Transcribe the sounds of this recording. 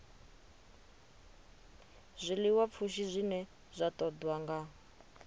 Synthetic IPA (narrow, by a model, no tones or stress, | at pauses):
zʷiliwap̪fʰuʃizʷinɛ | z̥ʷatɔd̪waŋɡa